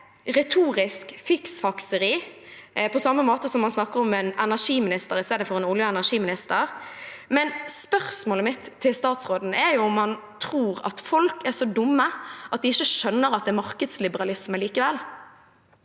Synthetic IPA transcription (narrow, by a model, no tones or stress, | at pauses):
ʁɛt̪ʰuːʁɪskfɪksfɑksəɾʁiː | pʰɔsɑmːəmoːt̪əsɔmːɑnsnɑkːəɾɔmɛnɛnæʂiːmɪnɪst̪əɾɪst̪eːd̪əfɔʁɛnʊljəɛnæʂiːmɪnɪst̪əʁmɛnspœʁsmoːləmɪt̪ʰːɪlst̪ɑːt̪sʁoːd̪n̩ʔɛɾjʊɔmːɑnt̪ʰʁuːʁɑ̰t̪fɔlkæʁʂɔd̪ʊmːəʔɑt̪̚d̪ɪɪçəʃœnːəɾɑt̪̚d̪ɛmɑʁkəd̪slɪbəʁɑlɪsməliːkəʋɛlː